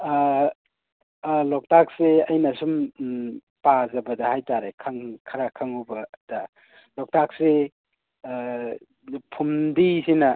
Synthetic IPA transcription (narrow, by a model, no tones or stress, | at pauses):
lɔk̚tak̚seɐjnɐsum | pazɐbɐdɐhajtaɾekʰaŋkʰɐɾakʰaŋubɐd̥ɐ | lɔk̚tak̚se | pʰumdisinɐ